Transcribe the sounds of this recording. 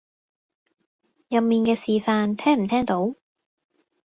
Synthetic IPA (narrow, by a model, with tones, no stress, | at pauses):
jɐ˨p̚miː˨nkɛː˧siː˨faː˧nt̪ʰɛː˥ŋm̩˨˩t̪ʰɛː˥ŋt̪o˨˥w